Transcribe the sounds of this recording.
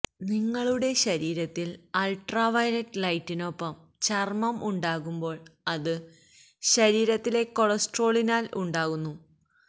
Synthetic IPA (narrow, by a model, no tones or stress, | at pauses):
niŋːɐɭuɽe̞ɕɐɾiːɾɐt̪ːilɐlʈrɐʋɐjlɐʈːlɐjtːino̞pːɐm | t͡ɕɐrmɐmʔuɳɖaːɣumbo̞ːɭɐðɨ | ɕɐɾiːɾɐt̪ːile̞ko̞ɭɐsʈro̞ːɭinaːluɳɖaːɣunːu